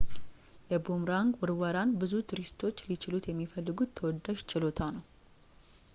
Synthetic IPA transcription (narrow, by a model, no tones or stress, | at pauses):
jɛbumɾaŋɡwɨɾwəɾanbɨzut̪ʰɨɾist̪ʰo̞t͡ʃːlit͡ʃʰɪlut̪jɛmːifəlːɨɡut̪ʰːəwɔd̪ːaʃt͡ʃʰʼɪlo̞t̪ʰanəw